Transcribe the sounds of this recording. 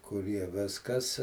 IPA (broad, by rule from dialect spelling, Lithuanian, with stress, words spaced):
kʊˈrʲiɛ ˈʋʲɪskɐs